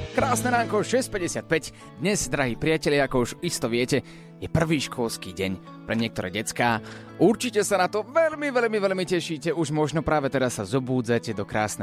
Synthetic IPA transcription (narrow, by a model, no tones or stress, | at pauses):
kɾaːsnɛɾaːmkɔʃɛsc̚pɛɟɛsɪat̪̚pɛɟ | d̪ɲɛzd̪ɾaɦiːpɾɪacɛʎɪaakɔuʒist̪ɔʋɪɛcɛ | jɛpr̩ʋiːʃkɔlskiːɟɛɲ | pɾɛɲɪɛk̚t̪ɔɾɛ̰ːɟɛt͡skaː | ʔuɾt͡ʃicɛsanat̪ɔʋɛʎmiʋɛʎmiʋɛʎmicɛʃiːcɛuʒmɔʒnɔpɾaːʋɛt̪ɛɾasːazɔbuːd͡zacɛd̪ɔkɾa̰ːsnɛ